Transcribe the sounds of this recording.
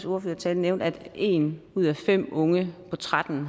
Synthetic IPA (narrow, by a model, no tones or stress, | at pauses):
so̝ɐføːɐt͡sʰɛːlneʊnd̥æd̥e̝̰ːnuð̞̰ˠæfem̰ɔ̽ŋəpʰɒ̽t͡sʰʁad̥n̩